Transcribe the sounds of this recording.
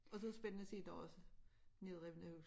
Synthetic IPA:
ɒ̽sɒðˠsb̥enənəsḭːd̥ɒɒ̽səne̝ðˠʁɛʋn̩æhus

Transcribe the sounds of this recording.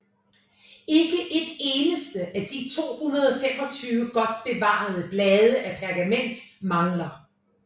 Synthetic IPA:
e̝ɡ̥əʔed̥eːnəsd̥əʔæd̥it͡sʰo̝̰ːhunɐð̞ˠɒfem̰ɒ̽t͡sʰyːʋəɡ̥ɒ̽d̥̚b̥e̝ʋɑ̰̈ð̞̩ˠəb̥lɛːð̞ˠəʔæpʰæɐɡ̥æmen̰d̥mɑ̈ŋlɐ

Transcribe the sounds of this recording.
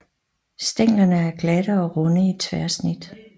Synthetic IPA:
sd̥eŋ̰lɐnəæɐɡ̥læɾ̥əɒ̽ʁɔnəit͡sʰʋæɐsnid̥

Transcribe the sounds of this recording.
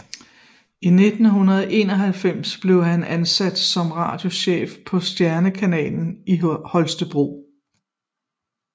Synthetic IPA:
ine̝d̥n̩ɦunɐð̩ˠʔe̝ːnɒɦælfem̰sb̥le̝ʊɦænænsæd̥sɒ̽mʁɑ̰̈ːd̥jo̝ɕḛːfpʰɒ̽sd̥jæɐnəkʰænɛ̰ːln̩ihɒ̽lsd̥əb̥ʁo̝̰ː

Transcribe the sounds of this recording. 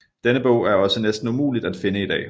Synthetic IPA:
d̥enəb̥ɔ̰̽ʊ̰æɐɒ̽sənesd̥n̩umṵːlid̥æd̥fe̝nəid̥ɛ̰ː

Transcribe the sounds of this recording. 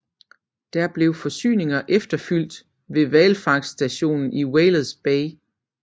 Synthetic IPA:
d̥æɐb̥le̝ʊfɒ̽sy̰ːne̝ŋɐʔefd̥ɐfyl̰d̥ | ʋe̝ʋɛːlfɑ̈ɡ̥sd̥æɕo̝̰ːnn̩iweːlð̩ˠsb̥ɛɪ

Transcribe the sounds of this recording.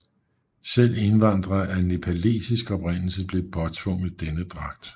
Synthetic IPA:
sel̰e̝nʋɑ̈n̰d̥ʁɐæne̝pʰælḛːsisɡ̥ɒ̽pʁen̰l̩səb̥le̝pʰɒ̽t͡sʰʋɔ̽ŋ̰ð̩ˠd̥enəd̥ʁɑ̈ɡ̥̚d̥

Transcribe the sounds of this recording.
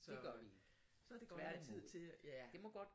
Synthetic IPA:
sɒ̥eɡ̥ | sɒd̥e̝ɡ̥ɒ̰æt͡sʰið̰ˠt͡sʰe̝jæd̥e̝mɒɡ̥ɒd̥

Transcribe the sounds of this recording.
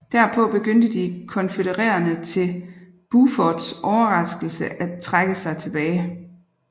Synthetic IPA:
d̥æɐpʰɔ̽b̥e̝ɡ̥øn̰d̥əd̥ikʰɒ̽nfəɾəʁɛ̰ːɐnət͡sʰe̝l | b̥ufɒd̥sʔɒʊɐʁɑ̈sɡ̥l̩səʔæt͡sʰʁaɡ̥əsɑ̈ɪt͡sʰe̝b̥ɛːɪ

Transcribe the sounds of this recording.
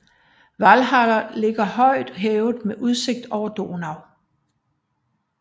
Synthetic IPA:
ʋælɦælɐle̝ɡ̥ɐhɒ̽ɪ̰d̥ɦɛːʊð̩ˠmeʔuð̞ˠse̝ɡ̥̚d̥ɒʊ̰ɐd̥o̝̰ːnɑ̈ʊ

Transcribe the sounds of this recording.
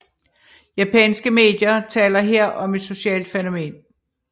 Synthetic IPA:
jæpʰɛ̰nsɡ̥əme̝̰ːd̥jɐt͡sʰɛ̰ːlɐɦeɐ̰ʔɒ̽me̝d̥so̝ɕɛ̰ːld̥feno̝me̝̰ːn

